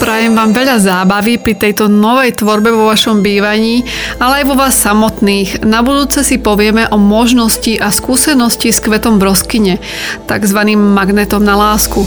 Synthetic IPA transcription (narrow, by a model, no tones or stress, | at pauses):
pɾaːjɛmʋaːmʋɛʎazaːbaʋipɾit̪ɛjt̪ɔnɔʋɛjt̪ʋɔɾbɛʋɔʋaʃɔmbiːʋaɲiː | alɛajʋɔʋaːsːamɔt̪niːɣnabud̪uːt͡sɛsipɔʋɪɛmɛʔɔmɔʒnɔsciʔaskuːsɛnɔsciskʋɛt̪ɔmbɾɔskiɲɛ | t̪a̰ɡzʋaniːmːaɡnɛt̪ɔmnalaːsku